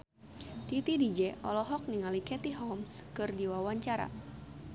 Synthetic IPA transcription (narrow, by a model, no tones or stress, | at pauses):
t̪it̪idid͡ʒɛʔɔlɔɦɔk̚niŋalikɛt̪iɦɔmskɨrdiwawaɲt͡ʃaɾa̰